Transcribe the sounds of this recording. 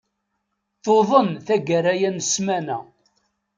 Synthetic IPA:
θoðˤənθæɡəɾæjænsmænæ

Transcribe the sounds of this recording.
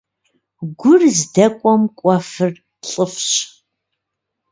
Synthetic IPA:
ɡʷʊrzdɐkʷʼɔmkʷʼɔfɨr | ɬʼəfɕ

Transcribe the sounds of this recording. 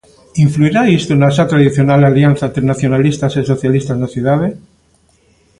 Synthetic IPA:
iɱfluiɾaist̪onasat̪ɾaðiθjo̞nalaljanθant̪ɾenaθjo̞nalist̪aseso̞θjalist̪asnaθjuðaðe

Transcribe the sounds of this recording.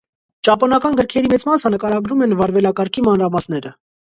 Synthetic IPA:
t͡ʃɑpɔnɑkɑnɡəɾkʰɛɾimɛt͡smɑsənəkɑɾɑɡɾumɛnvɑɾvɛlɑkɑɾkʰimɑnɾɑmɑsnɛɾə

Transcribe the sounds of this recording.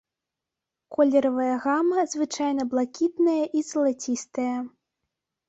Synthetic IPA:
kɔlʲɛɾɐvɐjɐɣamɐzvɨt͡ʂajnɐblˠakʲit̪nɐjɐʔizɐlˠat͡sʲist̪ɐjɐ

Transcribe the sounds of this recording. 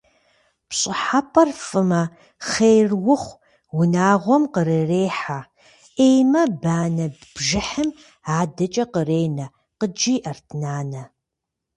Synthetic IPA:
pɕʼɨħapʰɐrfɨmɐ | χejrwʊχʷ | wʊnaːʁʷɔmqəɾereːħa | ʔeːjmɐbaːnɐbbʒɪħɨm | aːdɐt͡ʃʼɐqəreːjnɐ | qəd͡ʒiːʔɐrtʰnaːnɐ

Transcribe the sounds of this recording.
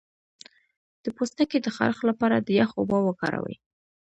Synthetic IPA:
d̪̥əpost̪aked̪əxa̰ɾxlapɑɾad̪əjaxobɑwəkɑ̰ɾa̰wə̰j

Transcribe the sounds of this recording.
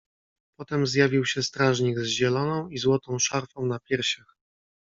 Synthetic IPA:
pɔt̪ɛmzʲjavʲiwɕɛst̪ɾaʐɲiɡzʑɛlɔnɔ̃w̃izwɔt̪ɔ̃w̃ʂaɾfɔ̃w̃napʲjɛɾɕax

